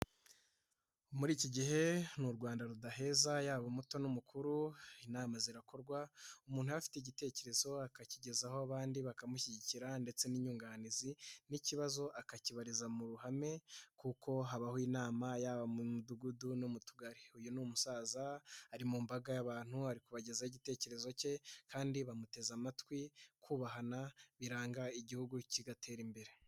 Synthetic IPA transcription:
muɾiːciɟiɦe̞nuɾɡwaːndaɾudaɦe̞ːzajaːβomuto̞numukʰuɾuinaːmaziɾako̞ɾɡwaumuːnhujafi̥teiɟite̞ːce̞ɾe̞zo̞akaciɟe̞zaho̞aβaːndiβakamuçiɟiciɾande̞t͡se̞niːɲuːŋɡaniziniciβazo̞ʔakaciβaɾizamuɾuɦame̞kuko̞ɦaβahoiːnaːmajaːβamumuduɡudunomutuɡaɾiujunumusaːzaaɾimumbaɡajaβaːn̥huaɾikuβaɟe̞zaiɟite̞ːce̞ɾe̞zo̞ce̞kʰaːndiβamute̞zamatwikʰuːβaɦanaβiɾaːŋɡaiɟihuɡuciɡatʰe̞ːɾimbe̞ɾe̞

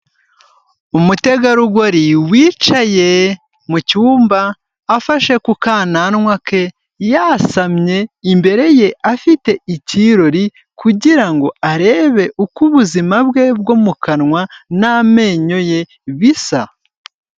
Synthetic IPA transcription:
umute̞ɡaɾuɡoɾiwiːt͡ʃaje̞ | mucuːmbaː | faʃe̞kukaːnanŋwake̞ | jasamɲe̞imbe̞ɾe̞je̞afite̞iciːɾo̞ɾi | kuɟiɾaŋɡo̞aɾe̞ːβe̞ʔukuβuzimabɡe̞b̚ɡomukʰanŋwaname̞ːɲo̞je̞ | βisa

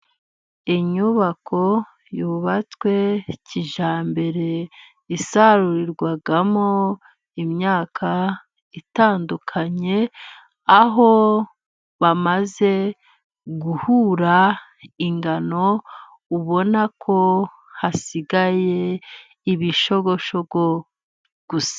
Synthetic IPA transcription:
iɲuβakʰo̞ | juβat͡swe̞ciʒaːmbe̞ɾe̞ | isaɾuɾiɾɡwaɡamo | imɲaːkʰa | itaːndukʰaɲe̞ | aɦo̞ | βamaze̞ | ɡuhuːɾa | iŋɡano̞ | uβo̞nakʰo̞ | hasiɡaje̞ | iβiʃo̞βo̞ʃo̞ɡo | ɡ̥usḁ

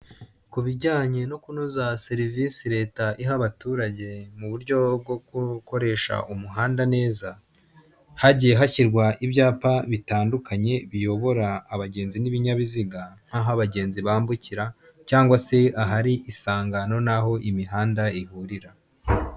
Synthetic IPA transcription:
kuβiɟaːɲe̞no̞kunuzase̞ɾivisiɾe̞ːtaʔiɦaβatuːɾaɟe̞muβuɾɟo̞b̚ɡoɡuko̞ɾe̞ʃa̰ʔumuɦaːndane̞ːza | haɟijeɦaçiɾɡwaʔibjaːpaβitaːndukaɲe̞βijo̞βo̞ɾaːβaɟe̞ːnziniβiɲaβiziɡan̥haɦaβaɟe̞ːnziβaːmbuciɾa | caːŋɡwase̞aɦaɾiʔisaːŋɡano̞naɦo̞ʔimiɦaːndaihuɾiɾa

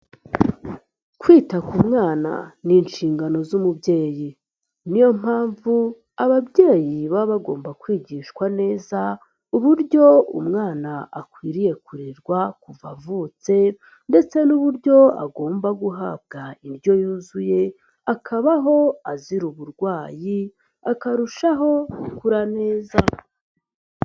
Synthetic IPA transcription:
kwiːtakumŋaːna̰niːnʃiːŋɡano̞zumubɟe̞ːji | nijo̞m̥aːɱvu | aβabje̞ːjiβaβaɡo̞ːmbakwiːɟiːʃkwane̞ːza | uβuɾɟo̞ṵmŋaːnaːkwiːɾije̞kuɾiɾɡwakuvavut͡se̞ | nde̞t͡se̞nuβuɾɟo̞a̰ɡo̞ːmbaɡuɦaːb̚ɡaiɾjo̞juːzuje̞ | akʰaβaɦo̞aziɾuβuɾɡwaːji | akaɾuʃaɦo̞kuɾane̞ːza

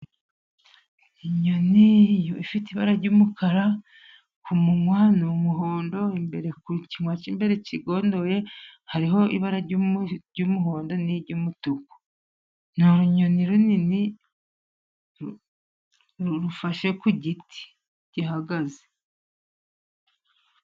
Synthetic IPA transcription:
iɲo̞nijoifitiβaɾaɾɟuːmukʰaɾa | kʰumuŋwanumuɦo̞ːndo̞imbe̞ɾe̞kuciŋwat͡ʃimbe̞ɾe̞ciɡo̞ːndo̞je̞haɾiɦo̞ḭβaɾa | ɟumuɦo̞ːndo̞niɟumutuko̥ | noɾuɲo̞niɾunini | ɾuɾufaʃekuɟiti̥ | ɟiɦaɡaze

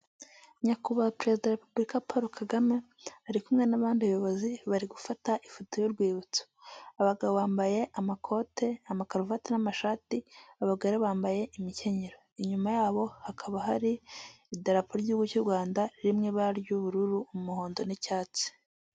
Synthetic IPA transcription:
ɲakuβapɾe̞zidaaɾepubɾikapaɾokʰaɡame̞ | aɾikumŋe̞naβaːndiβajo̞βo̞ziβaɾiɡufataʔifutojoɾɡwiːβut͡so̥aβaɡaβoβaːmbaje̞ʔamakʰo̞te̞amakaɾuvatenamaʃaːtiaβaɡaɾeβaːmbaje̞ʔimice̞ɲeɾoiɲumajaːβo̞hakʰaβaɦaɾiː | daɾapoɾɟihuɡucuɾɡwaːndaɾimŋeβaɾjuβuɾuɾuːmumuho̞ːndo̞nicaːt͡si̥

